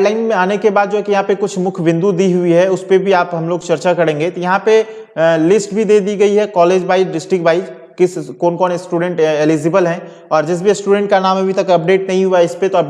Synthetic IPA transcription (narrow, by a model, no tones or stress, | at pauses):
laːɪnmẽaːnekebaːd̪̚d͡ʒoːɦɛkijɐɦãpekʊt͡ʃʰmʊkʰʋɪ̃nd̪ud̪iɦʊiɦɛʊspebʱiaːpɦɐmloːɡt͡ʃɐɾt͡ʃakɐɾẽːŋɡet̪ojɐɦãpe | lɪsʈbʱid̪eːd̪iɡɐiɦɛkɔːleːd͡ʒbaːid͡ʒɖɪsʈɾɪkbʱaːɪd͡ʒ | kɪskɔːnkɔːnsʈuːɖɛ̃ɳʈelid͡ʒɪbəlɦɛ̃ː | ɔːɾd͡ʒɪsbesʈuːɖɛ̃ɳʈ̚kanaːmɐbʱit̪ɐkɐp̚ɖeːʈnɐɦĩɦuaɪspet̪oɐ